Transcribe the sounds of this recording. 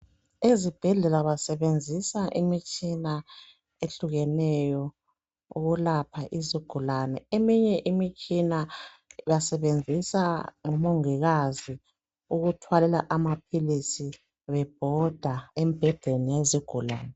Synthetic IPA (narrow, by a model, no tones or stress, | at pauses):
ezib̥ʱɛɮɛlaβasɛβend͡zʱisaʔimit͡ʃʼina | eɬuɣɛnɛjɔ | ṵɣulapʰaʔiziɡ̥ʱulanɛemiɲɛʔimit͡ʃʼina | jasɛβend͡zʱisaŋɔmoŋiɣazi | uɣutʰwalɛlaʔamapʰilisi | βɛb̥̚ʱɔd̥ʱaemib̥ʱɛd̥ʱenijeziɡ̥ʱula̰ːnɛ